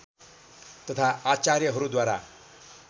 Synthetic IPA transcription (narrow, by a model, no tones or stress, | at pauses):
t̪ʌt̪ʰaat͡sarjʌɦʌɾud̪waɾa̰